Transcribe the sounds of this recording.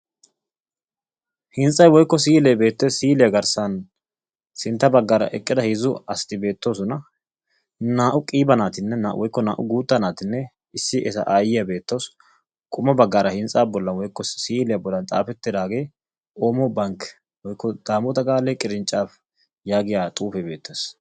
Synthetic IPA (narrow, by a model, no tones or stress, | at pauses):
hɪnsʼɐjwɔjkːɔs̬iːlɛːbe̞ːt̪ːesiːlɪjɐɡɐɾsɐn | sɪnt̪ːɐbɐɡːaːɾɐ̰ʔɛkʼːɪd̪ɐhiːzʊɐst̪ɪbe̞ːt̪ːo̞ːsʊnɐ | naːʔʊkʼiːbɐnaːt̪ɪnːɛnawʔɔjkːɔna̰ːʔʊɡuːt̪ːɐnaːt̪ɪnːɛ | ɪsːɪʔɛsɐ̰ʔaːjɪjɐbe̞ːt̪ːoːs | kʼʊmːɐbɐɡːaːɾɐhɪnsʼaːbɔlːɐnwɔjkːɔsiːlɪjɐbɔlːɐnt̪ʼa̰ːfɛt̪ːɪd̪aːɡe̞ː | ʔo̞ːmɔbɐŋk | wɔjkːɔd̪̥aːmɔt̪ɐɡaːlekʼɪɾɪnt͡ʃʼːaːf | jaːɡɪjaːt̪ʼuːfɛbe̞ːt̪ːes